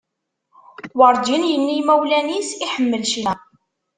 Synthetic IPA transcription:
wɑɾˤd̪injənːimæwlænisiħəmːəlʃi

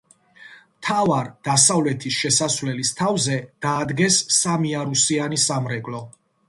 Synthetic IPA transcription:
mt̪ʰavaɾd̪̥asavlɛt̪ʰisʃɛsasvlɛlist̪ʰavzɛd̪̥aːd̪ɡɛsːamiaɾusianisamɾɛkʼlɔ

